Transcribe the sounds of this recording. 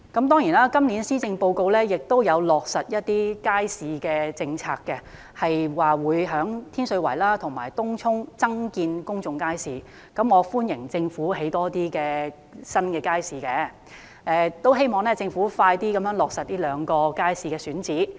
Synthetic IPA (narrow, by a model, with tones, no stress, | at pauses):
kɐ˨˥mt̪ɔː˥ŋjiː˨˩naː˥kɐ˥mli˨˥nsiː˥t͡sɪ˧ŋpo˧wko˧wlɛː˥jɪ˨k̚t̪o˥wjɐ˨˧wlɔː˨˩k̚sɐ˨t̚jɐ˥t̚t̪iː˥kaː˥jsiː˨˧kɛː˧t͡sɪ˧ŋt͡sʰa̰ː˧kkːɛ˧ | hɐ˨jwaː˨wuː˨˧jɦœː˨˥ŋt̪ʰiː˥nsɵ˨˧wɐ˨˩jlaː˥t̪ʰʊ˨˩ŋmaː˨˩jt̪ʊ˥ŋt͡sʰʊ˥ŋt͡sɐ˥ŋkiː˧nkʊ˥ŋt͡sʊ˨ŋkaː˥jsiː˨ | kɐ˨˥mɔː˨˧fuː˥njɪ˨˩ŋt͡sɪ˧ŋfuː˨˥he˨˥jt̪ɔː˥t̪iː˥kɛː˧ | sɐ˥nkɛː˧kaː˥jsiː˨kɛː˧ | ɛː˧t̪o˥wɦe˥jmɔː˨˩ŋlɛː˥t͡sɪ˧ŋfuː˨˥faː˧jt̪iː˥kɐ˨˥mjœː˨˥ŋlɔː˨k̚sɐ˨t̚liː˥lœː˨˧ŋkɔː˧kaː˥jsiː˨kɛː˧syː˨˥nt͡siː˨˥